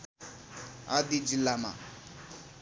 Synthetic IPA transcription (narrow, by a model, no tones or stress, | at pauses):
ad̪id͡ʒilamã̰